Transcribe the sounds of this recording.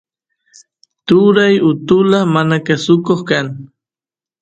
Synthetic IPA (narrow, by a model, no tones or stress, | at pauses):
t̪ʊɾajʊt̪ʊlamanakasʊkoχkaŋ